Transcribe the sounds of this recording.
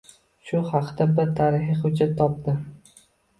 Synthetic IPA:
ʃʊhɑqd̪abɪɾt̪ʰaɾɪhɪχʊd͡ʒat̪ʰːɒp̚d̪ɪ

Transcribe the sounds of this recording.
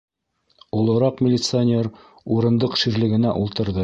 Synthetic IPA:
ulˠɤ̆ɾɑqmʲɪlʲɪt̪sɨanʲeɾ | uɾɤ̆nd̪ɤqʃiɾlɘ̆ɡɘ̆næʔulˠt̪ɤ̆ɾðɤ

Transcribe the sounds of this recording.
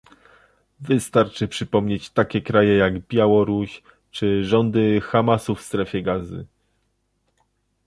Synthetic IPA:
vɘst̪aɾt͡ʂɘpʂɘpɔmɲet͡ɕt̪akʲɛkɾajɛjaɡbʲjawɔɾuɕ | t͡ʂɘʐɔnd̪ɘxamasufst̪ɾɛfʲjɛɡazɘ̰

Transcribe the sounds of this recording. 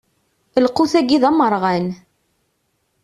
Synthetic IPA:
əlquθæɡiðɑməɾˤʁæn

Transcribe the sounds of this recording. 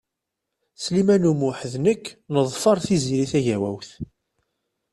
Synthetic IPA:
slimænumʊħəðnəkːnəðˤfɑɾˤθiziɾiθæʝæwæ̰wθ

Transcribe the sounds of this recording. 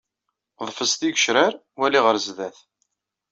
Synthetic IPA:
ðˤfəst̪iɡəʃɾæɾ | wæliʁəɾzðæθ

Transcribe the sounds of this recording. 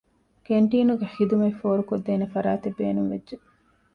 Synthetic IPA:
keɳʈiːnuɡeħid̪umɐifoːɾukod̪ːeːnefɐɾaːt̪ebːḛːnuŋʋedʒe

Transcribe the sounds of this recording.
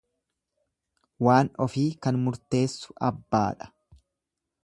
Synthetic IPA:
waːnɔfiːkɐnmʊɾt̪e̞ːsːʊ̥ɐbːa̰ːᶑɐ̥

